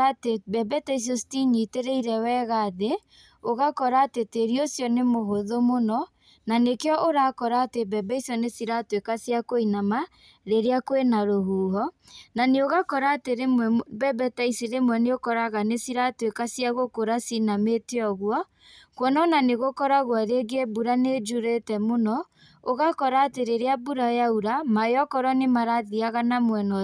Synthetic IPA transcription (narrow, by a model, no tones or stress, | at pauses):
atebɛbɛtais̬josi̥tiɲiteɾeiɾɛwɛɣaːðe | oɣakɔɾaːteteɾiosjɔnemoɦoðomonɔ | nanekeɔʔoɾakɔɾaːtebɛbɛisjɔnesiɾatwekasjakoinama | ɾeɾeakwenaɾoɦuːɦɔ | naneoɣakɔɾaːteɾemɛbɛbɛtaisiɾemwɛneokɔɾaɣanesiɾatoekasijaɣokoɾasinameteɔɣwɔ | kwɔnɔnaneɣokɔɾaɣwaɾeɡebuɾaned͡ʒuɾetɛmonɔ | oɣakɔɾaːteɾeɾeabuɾajauɾamajɔkɔɾɔnemaɾaðiaɣanamwɛnɔ